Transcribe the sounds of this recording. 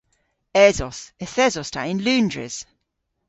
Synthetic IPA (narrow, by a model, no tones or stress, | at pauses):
ɛzɔsɛθɛzɔstʰaʔɪ̃nlʉːndɹɪ̰z̥